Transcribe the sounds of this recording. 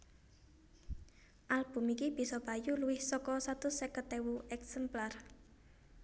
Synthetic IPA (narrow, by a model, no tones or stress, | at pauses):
ʔalb̥ṳmikib̥i̤sɔb̥a̤juluwɪhsɔkɔsat̪ʊsɛkət̪ewuʔɛksɛmplar